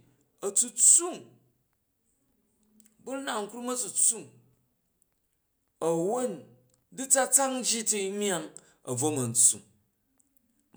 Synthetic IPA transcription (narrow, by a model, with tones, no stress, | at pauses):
ɐ˨t͡su˧t͡su˦˨ŋ | bu˦na˨ŋ̩˦kɾu˦mɐ˦t͡su˨t͡sːu˦˨ŋ | ɐ˨wo˦n | di˦t͡sa˦t͡sa˦ŋ̩˦d͡ʒi˦ti˦i˦mja˦ŋ | ɐ̰˨b͡vo˦mɐ˨n̩˨t͡sṵ˨ŋ